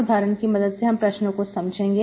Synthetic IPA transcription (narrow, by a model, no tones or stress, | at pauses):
ɾd̪ʱaːɾənkimɐd̪əd̪seɦɐmpɾɐʃnõkosɐmd͡ʒʱẽːŋɡeː